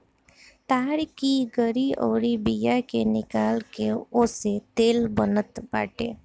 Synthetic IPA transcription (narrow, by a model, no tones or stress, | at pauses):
t̪aːɾkiɡəɾiɔːɾibijakenɪkaːlkeʊset̪eːlbənət̪ba̰ːʈḛː